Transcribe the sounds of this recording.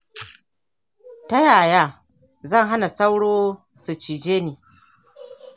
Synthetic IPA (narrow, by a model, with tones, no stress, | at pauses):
ta˦jaː˨jaː˦ | zɐ˦˨ŋɦa˦na˨sa˦wɽoː˦ | su˨t͡ʃiː˨d͡ʒeː˦niː˨